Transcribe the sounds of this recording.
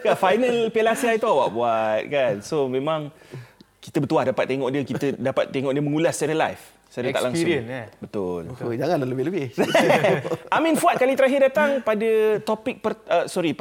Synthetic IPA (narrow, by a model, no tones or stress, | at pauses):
kafajnəlpelasiait̪uawa̰ʔbuat̪̚kansomẽmãŋ | ki̥t̪əbət̪uahdapat̪̚ːeŋɔʔ̚diəkit̪ədapa̰t̪̚ːeŋɔʔ̚diəmə̃ŋulahst͡ʃaɾəla̰jf | saɾəta̰ʔlaŋsʊənbət̪ʊld͡ʒaŋãnlaləbɪləbɪ | amĩnfuat̪̚kalit̪əɾaɦɪrdat̪aŋpadət̪opɪk̚pərəsɔɾi